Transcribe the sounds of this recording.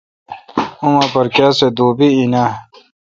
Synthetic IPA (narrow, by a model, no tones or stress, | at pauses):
umɐpɐɾkjaːsed̪uːbiina